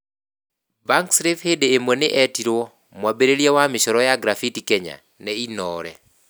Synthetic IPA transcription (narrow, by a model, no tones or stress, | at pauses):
baŋksɾefhedeːmonɪʔɛtiɾwɔ | mwabeɾelijawamɪʃɔɾɔjaɡɾafitikɛɲa̰ | nɛinɔːɾɛ